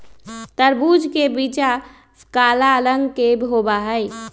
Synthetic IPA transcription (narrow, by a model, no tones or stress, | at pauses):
t̪əɾbud͡ʒkebit͡ʃa | kaːlaləŋɡkebʱobaɦəj